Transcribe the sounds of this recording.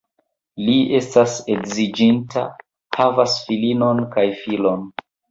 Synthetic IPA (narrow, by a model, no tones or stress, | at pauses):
lie̞staseɡzid͡ʒintʰa̰ | havasfilino̞nkajfilo̞n